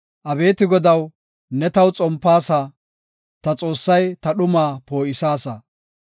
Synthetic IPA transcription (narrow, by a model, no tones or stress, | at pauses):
ʔɐbe̞ːt̪ɪɡɔd̪ɐw | nɛt̪ɐwt͡sʼɔmpːaːsa | t̪ɐt͡sʼo̞ːsːɐjt̪ɐɗʊmaːpo̞ːʔɪsaːsɐ